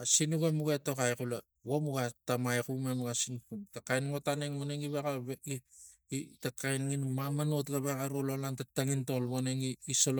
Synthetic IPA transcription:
asinuɡemuɡeto̞kajkula | womuɡatamajkumemuɡasinpuntakajnŋotaneŋmoneŋiβekaβi | itakajnŋinmamanotɡaβekaɾololantataŋintolβoneŋiːsolo

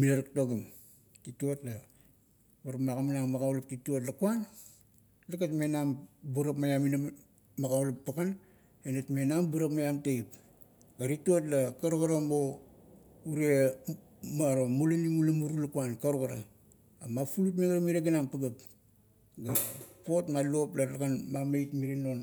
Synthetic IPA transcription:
milaɾak̚toɡim | tituotla | baɾapmakaminaŋmaɡawlap̚tituot̬lakuan | lakatmenambuɾapmajamina | maɡaulapːaɡan | enatmenambuɾapmajamteip | ɡaɾituot̬lakaɾuɡaɾamo | uɾie | maɾomulaniŋulamuɾulakuankaɾuɡaɾa | amafulutmeŋɾamiɾeɡanampaɡap | ɡapotmaluoplalakanmamejtmiɾinon

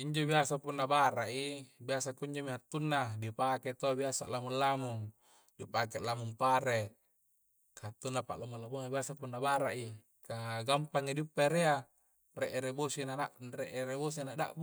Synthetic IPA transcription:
iɲd͡ʒobiasapunːabaɾaʔibiasakuiɲd͡ʒomiat̪ːunːadipaket̪obiasa̰ʔlamulːamuŋ | dipakeʔlamuŋpaɾe | kaat̪ːunːapa̰ʔlamulamunabiasapunːabaɾaʔi | kaɡampaŋːidiupːaɾea | reʔeɾebosinanaʔreʔeɾebos̬ianaʔda̰ʔbu

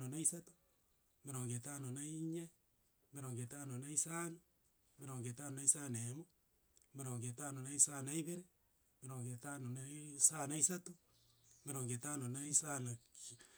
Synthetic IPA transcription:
nonaisato̥ | meɾoːŋɡetaːnonaiɲe | meɾoŋɡetaːnonaisaːno | meɾoːŋɡetanonaisanemo | meɾoːŋɡetaːnonaisanaiβeɾe | meɾoːŋɡetanonasanaisato | meɾoːŋɡetanonaisanak

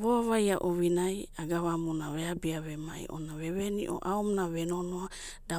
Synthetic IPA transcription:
βoaβajaʔoβinajaɡaβamunaɾeabiaβema̰j̰ʔo̰naβeβenḭʔo̰ʔaomnaβenonoa | d̥a

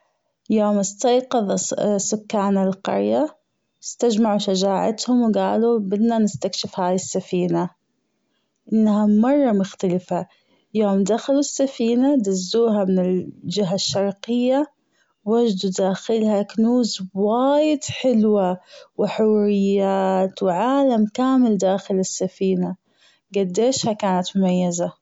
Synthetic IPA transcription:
joːmɪst̪ɑjqɑðˤsʊkːaːnalqɑ̰ɾja | ɪst̪ad͡ʒmaʕuʃad͡ʒaːʕa̰t̪hʊmwɪɡaːlubɪd̪nanɪst̪akʃɪfhaːjɪsːafiːna | ʔɪnːhamɑrˤːɑmʊxt̪alɪfa | joːmd̪axalusːafiːnad̪azːuːɦamɪnɪld͡ʒɪɦaʃːɑɾˤqɪjːa | wad͡ʒd̪ud̪aːxɪlhaknuːzwaːjɪd̪ħɪlwawɪħʊwɾɪjːaːt̪wɪʕaːlamkaːmɪld̪aːxɪlɪsːafiːna | ɡad̪ːeːʃhakaːnat̪mʊmajːaza

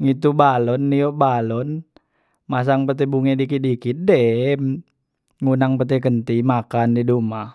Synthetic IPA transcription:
ŋit̪ubalɔnːiɔʔbalɔn | mas̬aŋpət̪ɛbuŋɛdikit̪̚dikit̪̚dɛm | ŋunaŋpət̪̬ɛkənt̪imakandiduma

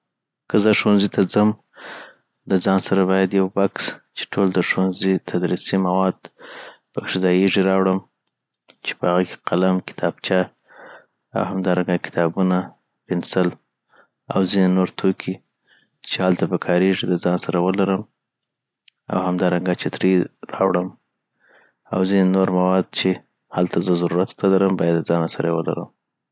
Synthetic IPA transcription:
kəzəʂwanzit̪ʰad͡zəm | d̪əzɑnsaɾabɑjad̪jawbakst͡ʃe̥ʈʰold̪əʂwanzit̪ʰad̪ɾisimawɑd̪pəkʂɪd̪ɑjeʐiɾɑwɽəm | t͡ʃe̥pəhaɣake̥qalamkɪ̥t̪ʰɑb̥t͡ʃɑ | a̰whamd̪ɑɾaŋɡakɪ̥t̪ʰɑbuna | pɪnsal | a̰wzinenoɾt̪ʰokʰi | t͡ʃehalt̪apəkʰɑɾeʐid̪əzɑnsaɾawəlaɾəm | a̰whamd̪ɑɾaŋɡat͡ʃɪt̪ɾiɾɑ̰wɽəm | awzinenoɾmawɑd̪̚t͡ʃe | halt̪azəzaɾuɾat̪t̪alaɾəmbɑjad̪ːəzɑnasaɾawəla̰ɾə̰m

